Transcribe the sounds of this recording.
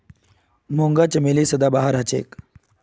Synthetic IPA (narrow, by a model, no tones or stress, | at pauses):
moŋɡat͡ɕəmelisəd̪abaɦaɾɦat͡ɕḛːk